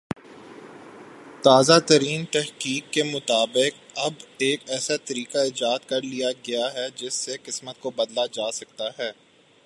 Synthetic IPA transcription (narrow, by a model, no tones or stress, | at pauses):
t̪aːzat̪ɐɾiːnt̪ɛɦkiːkːemʊt̪aːbɪk̚ɐbeːkɛːsat̪ɐɾiːkaɪd͡ʒaːt̪kɐɾlijaɡɐjaɦɛd͡ʒɪsːeqɪsmət̪kobɐd̪lad͡ʒaːsɐk̚t̪aɦɛː